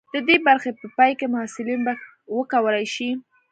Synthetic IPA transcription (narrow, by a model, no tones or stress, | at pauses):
d̪̥əd̪ebaɾxepəpɑjkemʊhasɪlinba | wəkawəlajʃi